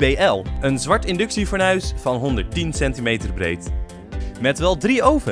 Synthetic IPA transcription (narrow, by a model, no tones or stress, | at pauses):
bejɛlˠənzʋɑɹtɪndɵksivɔːɹnœɥsfɑnɦɔndəɹtinsɛntimejtərbrḛjt | mɛtʋɛlˠdriowvə